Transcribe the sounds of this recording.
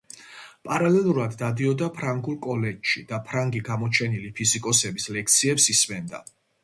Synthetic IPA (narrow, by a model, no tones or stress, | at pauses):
pʼaɾalɛlˠuɾad̪ːad̪iɔd̪apʰɾaŋɡulˠkʼɔlɛd͡ʒʃid̪apʰɾaŋɡiɡamɔt͡ʃʰɛnilipʰizikʼɔsɛbislɛk̚ʰt̪sʰiɛpsismɛnd̪a̰